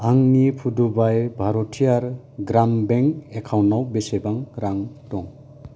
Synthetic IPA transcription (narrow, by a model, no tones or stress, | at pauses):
aŋnipʰudubajbʱaɾɔtʰijaɾ | ɡɾambeŋekʰawnːawbesebaŋɾaŋtɔŋ